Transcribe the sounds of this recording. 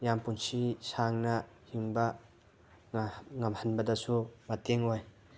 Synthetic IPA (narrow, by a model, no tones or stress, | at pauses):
jampunsisaŋna | hiŋba | ŋamhanbɐdasumateŋɔj